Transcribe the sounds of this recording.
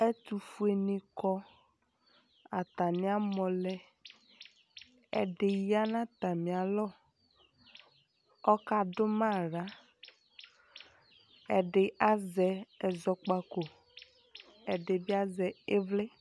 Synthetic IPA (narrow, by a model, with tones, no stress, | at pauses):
ɛ˦t̪u˨fu˦e˨nĩ˨kɔ˦ | a˨t̪a˨nɪ̃˦a˦mɔ˨lɛ˦ | ɛ̰˨ɖɪ˨ja˦nã˦t̪a˨mĩ˨a˨lɔ˦ | ɔ˦ka˦ɖʊ˦mã˦˨ɾa˨˦ | ɛ˨ɖɪ˨a˦zɛ˨ɛ˨zɔ˦k͡pa˦ko˨ | ɛ˨ɖe˨bi˦a˦zɛ˨e˦vlɛ˦